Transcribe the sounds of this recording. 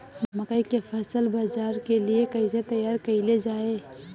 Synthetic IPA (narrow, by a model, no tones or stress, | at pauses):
mɐkəikefʰɛːsəlbaːd͡ʒaːɾkeliekɐiset̪ɐjaːɾkɐiled͡ʒaːeː